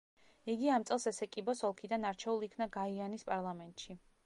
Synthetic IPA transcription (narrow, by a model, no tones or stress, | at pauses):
iɡiamt̪sʼɛlˠsɛsɛkʼibɔsɔlˠkʰid̪anaɾt͡ʃʰɛulˠikʰnaɡaianispʼaɾlˠamɛnt̪ʼʃi